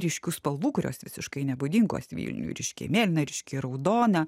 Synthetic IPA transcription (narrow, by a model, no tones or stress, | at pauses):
ɾʲɪʃʲkʲuːspɐlˠʋuːkʊɾʲo̰ːsʋʲɪsʲɪʃkɐɪnʲɛbʊd̪ʲiːŋɡo̰sʋʲḭːlʲnʲṵɾʲɪʃʲkʲḛmʲeːlʲnʲɐɾʲɪʃʲkʲeːɾɐʊd̪oːnʲɛ